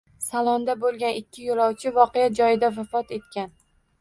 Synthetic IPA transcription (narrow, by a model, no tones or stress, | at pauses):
salˠɒnd̪abolˠɡʲanɪkʲːɪjolˠɒwt͡ʃʰɪvɒqɨjad͡ʒɒjɪd̪avafɒt̪e̞t̪kʲan